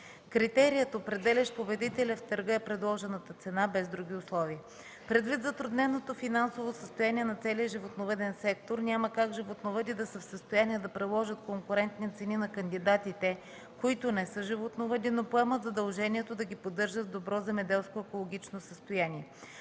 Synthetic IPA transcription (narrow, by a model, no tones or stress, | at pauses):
kɾit̪ɛɾijət̪opɾɛd̪ɛlʲəʃpobɛd̪it̪ɛlʲɐft̪ɤɾɡəɛpɾɛd̪lˠɔʒɛnət̪ət̪sɛnabɛzd̪ɾuɡ̟ʲiʊslˠɔviə | pɾɛd̪vit̪zɐt̪ɾud̪nɛnot̪ofinansovosəst̪ojaniɛnɐt̪sɛliəʒivot̪novɛd̪ɛnsɛk̚t̪oɾnʲaməkakʒivot̪novəd̪id̪ɐsəfsəst̪ojaniɛd̪ɐpɾɛlˠɔʒət̪koŋkʊɾɛnt̪nit̪sɛninɐkənd̪id̪at̪it̪ɛ | koit̪ʊnɛsɤʒivot̪novɛd̪inopoɛmət̪zɐd̪ɐlˠʒɛnʲiɛt̪od̪ɐɡʲipod̪ːɤɾʒət̪d̪obɾɔzɛmɛd̪ɛlˠskoɛkolˠoɡ̟ʲit͡ʃnosəst̪ojaniɛ